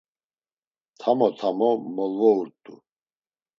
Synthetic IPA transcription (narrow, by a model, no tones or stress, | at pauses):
t̪ʰamɔt̪ʰamɔmɔlvɔuɾt̪ʼu